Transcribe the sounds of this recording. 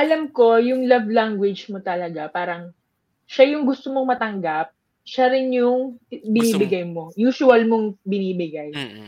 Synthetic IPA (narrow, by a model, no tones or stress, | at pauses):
ʔɐlɐmko̞jʊŋlɐvlaŋɡwɛd͡ʒmot̪ɐlɐɡapaːɾɐŋ | ʃajʊŋɡʊst̪omo̞ŋmɐt̪ɐŋɡap̚ | ʃaɾɪnjʊŋbɪniːbɪɡajmo̞juːsʊɐlmoŋbɪniːbɪɡaj